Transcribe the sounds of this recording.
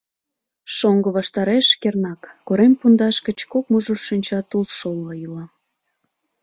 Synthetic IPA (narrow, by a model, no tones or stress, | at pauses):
ʃoŋɡəβɑʃt̪ɑɾeʃkernɑkːoɾempund̪ɑʃkə̆t͡ɕkok̚muʒorʃinʲt͡ɕɑt̪ulʃolɑjylɑ